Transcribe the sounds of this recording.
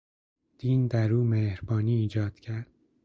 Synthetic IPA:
d̪̥iːnd̪æɾuːmeːhɾbɒːniːiːd͡ʒɒːd̪̥cʰæɾd̪̥̚

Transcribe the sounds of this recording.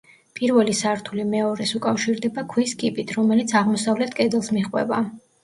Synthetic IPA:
pʼiɾvɛlisaɾt̪ʰulimɛɔɾɛsukʼafʃiɾd̪ɛbakʰwiskʼipʼit̪ʰɾɔmɛlit̪sʰaʁmɔsavlɛt̪ʰkʼɛd̪ɛlˠsmiχʼwɛ̰ba

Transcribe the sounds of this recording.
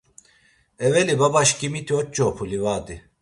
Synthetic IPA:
evelibabaʃcimit̪ʰiot̪̚t͡ʃopʰulʲivaːd̪i

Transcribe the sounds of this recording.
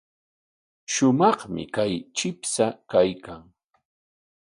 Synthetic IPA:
ʃʊmɑχmɪ̰kajt͡ʃɪpsakajkaŋ

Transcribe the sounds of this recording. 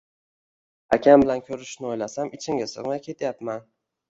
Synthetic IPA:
a̰kʲʰambɪlankʲʰɵɾɪʃnɪojlasamɪt͡ʃʰɪŋɡʲasɨ̰ʁmajkʲʰe̞t̪ʰjapman

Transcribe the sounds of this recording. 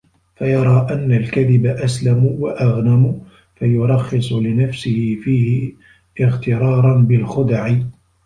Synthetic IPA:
fajɑɾˤɑːʔanːalkaðɪbaʔaslamwaʔaɣnamʊ | fajʊɾˤɑxːɪsˤʊlɪnafsɪhɪfiːhɪ | ɪɣt̪ɪɾˤɑːɾˤɑnbɪlxʊd̪aʕɪ

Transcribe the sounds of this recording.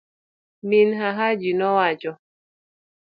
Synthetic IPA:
minɦaɦad͡ʒinɔwat͡ʃɔ

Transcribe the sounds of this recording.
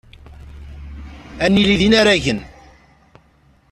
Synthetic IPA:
ænːiliðinaɾæʝən

